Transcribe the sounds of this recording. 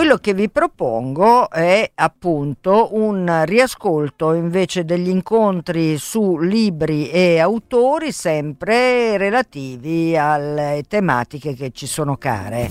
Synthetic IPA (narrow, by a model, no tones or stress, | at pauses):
welːokevːipɾopo̰ŋɡoɛapːunt̪ounriaskolt̪oiɱveːt͡ʃed̪eʎːiŋkont̪ɾisuliːbɾieawt̪oːɾisɛmpɾerelat̪iːvialet̪ema̰ːt̪ikeket͡ʃːisoːnoka̰ːɾḛ